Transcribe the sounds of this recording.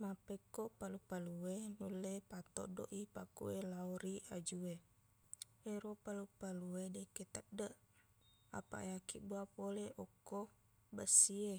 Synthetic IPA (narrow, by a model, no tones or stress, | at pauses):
mapekoʔpalupaluwenulepat̪ɔ̰do̰ʔipakṵelaoɾiad͡ʒue | eɾopalupaluedeket̪ədəʔ | a̰pa̰eakiʔbuapoleʔɔkːo | bəsie